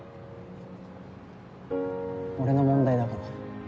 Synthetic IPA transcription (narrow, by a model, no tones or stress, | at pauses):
oɾe̞nomõ̞nd̪aid̪akaɾa